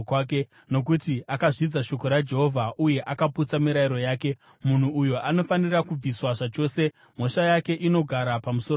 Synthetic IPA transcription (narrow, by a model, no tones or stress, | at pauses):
kake | no̞k̬utiakaʐid͡zaʃo̞ko̞ɾad͡ʒe̞ɦo̞vʱaʔuje̞ʔakaput͡samiɾaiɾo̞jaːke̞ | mun̤uːjoʔano̞fanirakub͡viswaʐat͡ʃo̞ːse̞ | m̤o̞ʃajake̞ʔino̞ɡʱaɾapamuso